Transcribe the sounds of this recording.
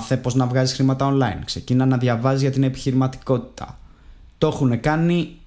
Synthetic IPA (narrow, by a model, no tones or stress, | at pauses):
θe̞po̞znɐvɣɐzisxɾimɐt̪ɐo̞nlɐinkse̞cinɐnɐðʝɐvɐzizʝɐt̪ine̞pi̥çiɾimɐt̪i̥ko̞t̪i̥t̪ʰɐ̰ | t̪o̞xune̞kɐni